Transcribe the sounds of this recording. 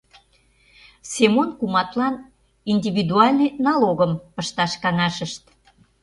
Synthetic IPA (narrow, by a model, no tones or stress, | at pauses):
semonkumɑt̪lɑn | inʲdʲiβid̪uɑlʲnənɑloɣəmpəʃt̪ɑʃkɑnɑʃəʃt̪